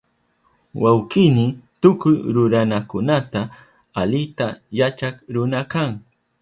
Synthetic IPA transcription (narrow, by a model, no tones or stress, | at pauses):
wʔawqɪnɪt̪ʊkʊjɾʊɾanakʊnat̪a | alɪt̪ajat͡ʃakɾʊnakaŋ